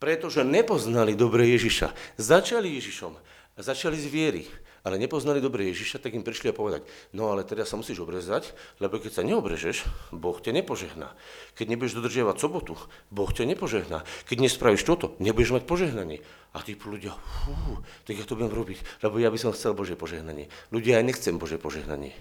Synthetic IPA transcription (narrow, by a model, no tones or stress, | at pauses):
pɾɛt̪ɔʒɛɲɛpɔznalid̪ɔbɾɛːjɛʒiʃa̰zat͡ʃalijɛʒiʃɔm | zat͡ʃalizʋɪɛɾḭalɛɲɛpɔznalid̪ɔbɾɛːjɛʒiʃat̪aɡimpɾiʃliapɔʋɛd̪a̰cnɔalɛt̪ɛɾasːamusiːʒɔbɾɛzaclɛbɔkɛcsaɲɛɔbɾɛ̰ʒɛʃbɔxcaɲɛpɔʒɛɦna̰ː | kɛɟɲɛbujɛʒd̪ɔd̪r̩ʒɪaʋacsɔbɔt̪u | bɔxcaɲɛpɔʒɛɦna̰kɛɟɲɛspɾaʋiʃt̪ɔt̪ɔɲɛbujɛʒmac̚pɔʒɛɦnaɲɪɛ | at̪ipluɟɪafuːt̪aɡjaːt̪ɔbujɛmɾɔbiclɛbɔjabisɔmxt͡sɛlbɔʒjɛpɔʒɛɦnaɲɪɛluɟɪaːjɲɛxt͡sɛmbɔʒjɛpɔʒɛɦna̰ɲɪɛ̰